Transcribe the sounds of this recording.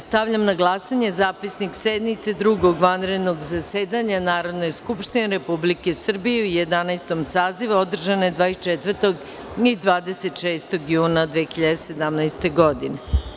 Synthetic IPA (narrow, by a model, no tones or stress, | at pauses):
st̪aʋʎamnaɡlˠasaɲezaːpisniksed̪nit̪sed̪ɾuɡo̞ɡʋanɾe̞d̪no̞ɡzaseːd̪aɲanaːɾo̞d̪nejskupʃt̪ineɾe̞publike̞sr̩bijeujed̪anajst̪o̞msaːziʋuod̪r̩ʒanoed̪ʋaːit͡ʃet̪ʋəɾt̪o̞ɡ | id̪ʋaːd̪eset̪ʃeːst̪o̞ɡjuːnad̪ʋexiʎad̪ese̞d̪amnajst̪e̞ɡod̪ine